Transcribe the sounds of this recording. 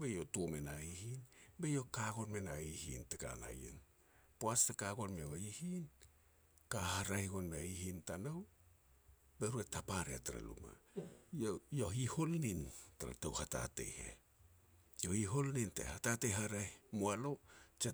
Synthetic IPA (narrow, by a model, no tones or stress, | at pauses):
be̞jotuomenaihinbe̞jo̞kaɡo̞nmenaihḭnteka̰na̰jḛn | poastakaɡo̞nmeoihin | kaɦaɾahiɡonmeaihintanow | be̞ɾuetapaɾḛtaɾa̰lṵma̰jojoɦiho̞lnintaɾa̰tawhata̰te̞̰hḛ | johiɦo̞lnintḛhatateɦaɾajimoalo̞t͡ʃe